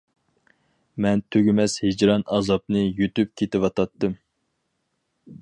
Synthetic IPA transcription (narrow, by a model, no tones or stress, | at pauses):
mɛnt̪ʰøɡʲɪmɛshɪd͡ʒɾɑnɑzɑp̚nɨjyt̪yp̚kʲʰet̪ɪwɑt̪ɑt̪ːɨm